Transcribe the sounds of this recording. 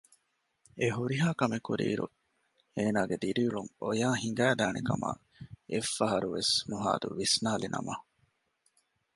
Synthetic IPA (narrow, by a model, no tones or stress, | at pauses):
eɦuɾiɦaːkɐmekuɾḭːɾṵ | eːnaːɡed̪iɾiːɭuŋojaːɦiŋɡæːd̪æːnekɐma̰ | efːɐɦɐɾuʋesnuɦa̰ːd̪ṵʋisnaːlinɐ̰mɐ